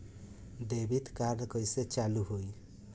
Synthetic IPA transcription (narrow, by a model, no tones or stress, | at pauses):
d̪ebit̪kaɾɖkɔjset͡ʃaluɦoj